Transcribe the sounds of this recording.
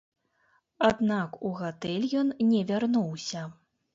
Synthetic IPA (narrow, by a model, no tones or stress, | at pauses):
ad̪nakuɣat̪ɛlʲjɔnnʲɛvʲarnuwsʲɐ